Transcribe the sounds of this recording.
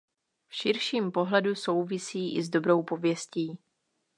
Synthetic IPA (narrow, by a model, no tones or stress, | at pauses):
fʃɪɾʃiːmpo̞ɦlɛduso̞wvɪsiːʔɪzdo̞bɾo̞wpo̞vjɛsciː